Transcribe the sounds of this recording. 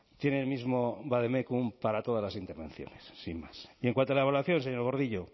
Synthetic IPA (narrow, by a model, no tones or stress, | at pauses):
t̪je̞neːlmizmobaðemekumpaɾat̪o̞ðazlasint̪e̞ɾβẽ̞nθjo̰nesːimmasieŋkwant̪oalealaθjo̞nseɲoɾɣo̞ɾðiʎo